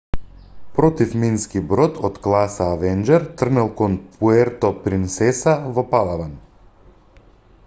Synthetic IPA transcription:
pɾɔt̪ifminskibɾɔt̪ʰɔt̪klˠasaːvɛnd͡ʒɛɾt̪r̩nɛlˠkɔnpʰuɛɾt̪ɔpɾint̪sɛsavɔpalˠavan

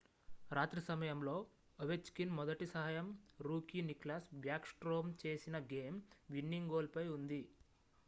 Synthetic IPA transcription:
ɾaːt̪ɾɐsɐmɐjɐmlo̞ː | ɔʋet͡ʃkinmɔd̪ɐʈisɐɦajɐmɾuːkiːniklaːsbjaːksʈɾoːmt͡ʃe̞ːsinɐɡeːmʋinːiŋɡo̞ːlpɐjund̪i

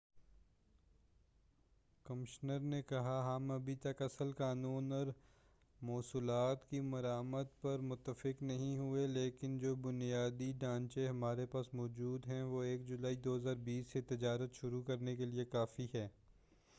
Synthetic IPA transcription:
kɐmɪʃnəɾnekɐɦaɦɐmɐbʱit̪ɐkɐsəlkaːnuːnɔːɾ | mɔːsuːlaːt̪kimɐɾaːməd̪pɐɾmʊt̪ːəfɪknɐɦĩɦueleːkɪnd͡ʒoːbʊnijaːd̪iɖãːnt͡ʃeɦɐmaːɾepaːsmɔːd͡ʒuːd̪ɦɛ̃ʋoeːkd͡ʒʊlaːid̪oːɦəzaːɾbiːsːet̪ɪd͡ʒaːɾət̪ʃʊɾukɐɾnekeliekaːfiɦɛː

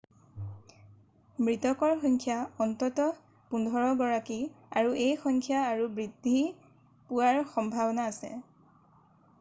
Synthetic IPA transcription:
mɹitɔkɔɹxɔŋkʰjaɔntɔtɔ | pundʱɔɹɔɡɔɹaki | aɹuʔejxɔŋkʰjaːɹubɹidʱi | puwaɹxɔmbʱabɔnaːsɛ̰

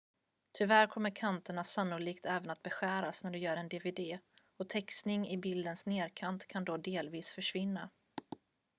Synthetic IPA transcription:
t̪ʰʏvæɾkʰɔmːəɾkʰant̪əɳasanːʊliːkt̪ʰɛːvənat̪̚bɛɧæːɾasnæɖɵjœːɾɛnd̪eːveːd̪eː | ɔt̪ʰɛkst̪nɪŋɪbɪld̪ənsneːɾkʰant̪kʰand̪ɔd̪eːlviːsfœʂvɪnːa̰

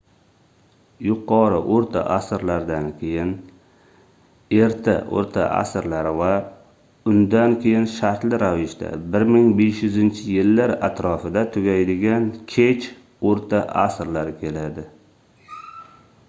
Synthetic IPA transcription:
jʊqʰɒɾɪʔoɾt̪ʰa̰ʔasɾlaɾd̪ankʲʰe̞jɪn | e̞ɾt̪ʰa̰ʔo̰ɾt̪ʰa̰ʔa̰sɾlaɾɪva | ʊnd̪ankʲʰe̞jɪnʃaɾt̪lɪɾavɪʃd̪a̰bɪɾmɪŋbe̞ʃjʊzɪnt͡ʃʰɪjɪlːaɾat̪ʰɾɒfɪd̪at̪ʰʊɡʲajd̪ɪɡʲankʲʰet͡ʃ | oɾt̪ʰaʔasɾlaɾɪkʲʰe̞lad̪ɪ

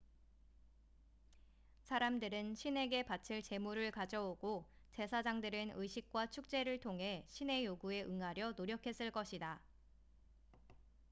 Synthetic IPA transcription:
sʰaɾamdɯɾɯnɕʰine̞ɡe̞pat͡ɕʰɯɭt͡ɕe̞muɾɯɭkad͡ʑʌoɡot͡ɕe̞sʰad͡ʑaŋdɯɾɯnɯjɕʰik̚k͈wat͡ɕʰuk̚t͡ɕ͈e̞ɾɯɭtʰoŋɦe̞ɕʰine̞joɡue̞ʔɯŋaɾjʌnoɾjʌkʰe̞s͈ɯɭk͈ʌɕʰida

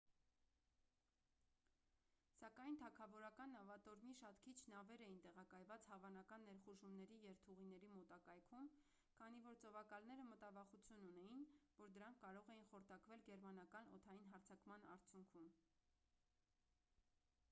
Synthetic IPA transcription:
sɑkɑjnt̪ʰɑkʰɑvɔɾɑkɑnːɑvɑt̪ɔɾmiʃɑt̪kʰit͡ʃʰnɑvɛɾɛjint̪ɛʁɑkɑjvɑt͡shɑvɑnɑkɑnːɛɾχuʒumnɛɾijɛɾt̪ʰuʁinɛɾimɔt̪ɑkɑjkʰum | kʰɑn̪ivɔɾt͡sɔvɑkɑlnɛɾəmət̪ɑvɑχut͡sʰjununɛjinvɔɾd̪əɾɑŋkʰːɑɾɔʁɛjinχɔɾt̪ʰɑkvɛlɡɛɾmɑnɑkɑnɔ̰t̪ʰɑjinɦɑɾt͡sʰɑkmɑnɑ̰ɾt͡sʰjuŋkʰum

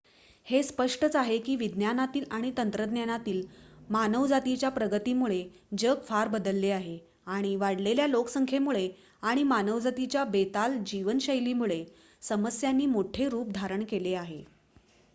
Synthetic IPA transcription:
hespəʂʈət͡saɦekiːʋid̪njanat̪iːlaɽ̃it̪ənt̪ɾəd̪njanat̪iːlmanəʋd͡zat̪it͡ɕjapɾəɡət̪iːmuɭe | d͡ʑəkfaɾbəd̪əlːeaɦe | aɽ̃iʋaɽleljaloksəŋkʰemuɭe | aɽ̃imanəʋd͡zat̪it͡ɕjabet̪ald͡ʑiʋənɕəjliːmuɭe | səməsjanːiːmoʈʰeɾuːp̚d̪ʱaɾəɳkeleaɦe

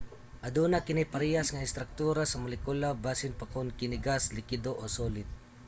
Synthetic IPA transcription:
ʔɐd̪uːnakɪnɪpɐɾiːjasŋɐɪst̪ɾɐk̚t̪uːɾasɐmʊlɪkulabaːsɪnpɐkʊnkɪnɪɡaslɪkɪd̪oʔosoːlɪt̪̚

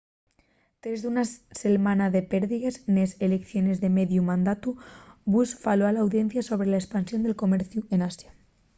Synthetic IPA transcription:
t̪ɾe̞zðunase̞lmãnaðepeɾðiɣeznesele̞kθjo̞ne̞zðe̞me̞ðjumãnd̪at̪ubusfaloalaːwðje̞n̟θjaso̞β̞ɾelaespansjo̞nd̪e̞lko̞me̞ɾθjue̞nasja

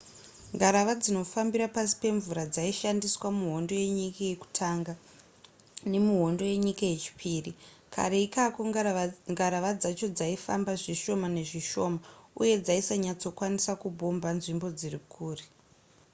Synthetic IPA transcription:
ŋɡaɾaʋad͡zino̞fambiɾapasi̥pe̞ɱvuɾad͡zaiʃandiswamuɦo̞ndo̞je̞ɲikajeku̥tʰaŋɡa | ne̞muɦo̞ndoje̞ɲikaje̞t͡ʃi̥pʰiːri | kʰa̰ɾeikakoŋɡaɾaʋad͡zat͡ʃo̞d͡zaifa̰mbaʐiʃo̞mane̞ʐiʃo̞mauje̞d͡zaisaɲat͡so̞kwanisakubʱo̞mbanʐimbo̞d͡zirikʰuːri

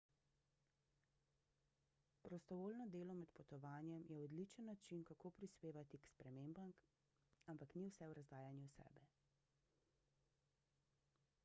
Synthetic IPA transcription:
pɾɔst̪ɔʋoːlnɔd̪eːlɔmɛt̪pɔt̪ɔʋaːnjɛmjɛɔd̪lit͡ʃənːat͡ʃinkakoːpɾispeːʋat̪ikspɾɛmeːmbam | ampakniwsɛwɾazd̪aːjanjusɛ̰ːbɛ

